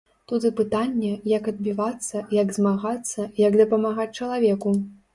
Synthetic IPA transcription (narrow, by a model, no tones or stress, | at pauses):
t̪ut̪ɨpɨt̪anʲːɛjɐkɐd̪̚bʲivat̪sːɐjaɡzmaɣat̪sːɐjɐkd̪ɐpɐmaɣat͡sʲt͡ʂɐlˠavʲɛku